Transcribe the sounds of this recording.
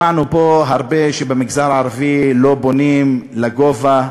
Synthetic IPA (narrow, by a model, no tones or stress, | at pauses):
anupo̞ɦaʁbeʃebemiɡzaʁaːʁavilo̞bonimlaɡova